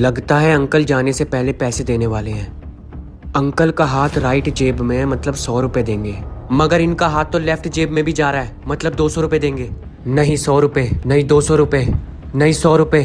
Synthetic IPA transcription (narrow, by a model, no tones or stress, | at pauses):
lɐɡt̪aɦɛɐ̃ŋkəld͡ʒaːnesepɛɦlepɛːsed̪eːneʋaːleɦɛ̃ː | ɐ̃ŋkəlkaɦaːt̪ʰɾaːɪʈd͡ʒeːbmẽmɐt̪ləbsɔːɾʊped̪ẽːŋɡeːmɐɡəɾɪnkaɦaːt̪ʰːolɛfʈd͡ʒeːbmẽbʱid͡ʒaːɾaɦɛːmɐt̪ləb̚d̪oːsɔɾʊped̪ẽːŋɡeː | nɐɦĩsɔːɾʊpenɐɦĩd̪oːsɔɾʊpe | nɐɦĩsɔːɾʊpeː